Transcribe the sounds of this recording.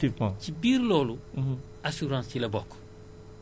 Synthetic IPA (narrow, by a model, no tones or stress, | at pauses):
imãt͡ʃibiɾilɔlu | asuɾãnsilɛbɔk